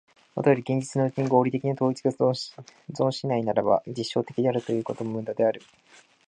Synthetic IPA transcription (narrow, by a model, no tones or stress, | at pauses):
mot̪ajo̞ɾʲiɡẽ̞ɲ̟d͡ʑit͡sɨnoɯ̟kiɲ̟iɡo̞ːɾʲit̪e̞kʲiɲat̪o̞ːit͡sɨ̥ɡa | zõ̞ɰ̃ɕinainaɾaba̰d͡ʑiɕːo̞ːt̪e̞kʲid̪eaɾɯ̟t̪o̞jɯ̟ːko̞t̪o̞momɯ̟̃nd̪ad̪e̞aɾɯ̟